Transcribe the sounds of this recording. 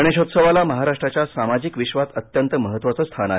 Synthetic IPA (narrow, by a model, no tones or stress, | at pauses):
əɽ̃eɕot̪səʋalaməɦaɾaʂʈɾat͡ɕjasamad͡ʑikʋiɕʋat̪ət̪jənt̪əməɦət̪ːʋat͡səst̪ʰana